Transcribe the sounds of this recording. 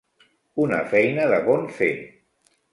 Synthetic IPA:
unə̰fɛjnəðəβonfe

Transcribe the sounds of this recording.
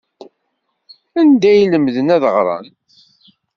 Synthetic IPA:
ænd̪æjləmðənæðəʁɾˤɑ̰n

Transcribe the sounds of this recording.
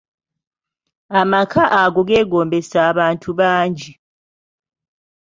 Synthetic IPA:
amakʰaʔaɡoɡeːɡoːmbesaβaːntʰuβaːɲd͡ʒi

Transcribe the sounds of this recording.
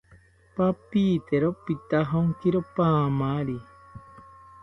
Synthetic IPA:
papit̪eɾopit̪aɦoŋkiɾopaːmaɾi

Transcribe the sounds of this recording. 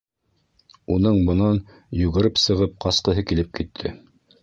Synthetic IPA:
unɤɴbɤ̆nɑn | jʉɣɘ̆ɾɘpsɤ̆ʁɤp̚qɑsqɤ̆ɦɤkilɘp̚kit̪ʰːɘ̰

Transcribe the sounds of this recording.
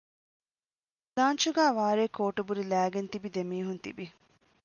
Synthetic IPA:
laːnt͡ʃuɡæːʋaːɾeːkoːʈubuɾilæːɡent̪ibid̪emiːɦunt̪ḭbi

